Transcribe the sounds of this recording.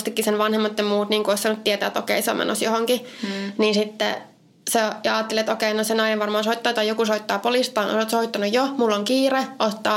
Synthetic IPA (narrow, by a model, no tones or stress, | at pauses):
st̪ikːisenʋɑnhemːɑt̪ːɑmuːt̪niːŋkuoˑisɑnːut̪t̪iɛt̪æ̰ːt̪o̰kḛiso̰mḛno̰sjohoŋkininsit̪ːɛ̰ | sɑjɑɑːt̪ːelet̪okeinosenɑijɑʋʋɑrmɑːnsoit̪ːɑːt̪ɑjokusoit̪ːɑːpolist̪ɑːno̰oːt̪soit̪ːɑnujjomulːoŋkiːreʔot̪ːɑː